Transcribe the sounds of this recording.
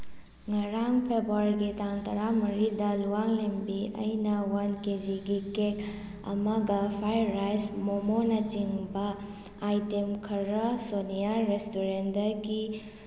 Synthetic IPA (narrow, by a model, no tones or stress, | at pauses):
ŋɐɾaŋpʰebaɾɡitaŋtɐɾamɐɾidɐluwaŋlembiɐ̰jnɐwanked͡ʒiɡikek | ɐ̰mɐɡɐpʰajɾːajsmomonɐt͡ʃiŋbɐː | jtemkʰɐɾɐsonijaɾestoɾendɐɡi